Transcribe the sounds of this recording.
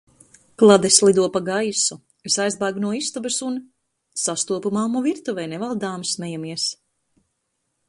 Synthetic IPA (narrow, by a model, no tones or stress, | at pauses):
klˠad̪ɛslˠid̪uɔpaɡajsu | isajzbajɡnuɔist̪ubɨsun | sast̪uɔpumaːmɔviɾt̪uvɛjnɛvalˠd̪aːmsmɛjamiɛs